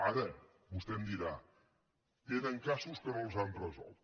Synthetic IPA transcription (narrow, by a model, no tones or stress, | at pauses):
aɾə | bust̪ɛmd̪iɾa | keðəŋkasuskənolˠzanrəzɔ̰lˠt̪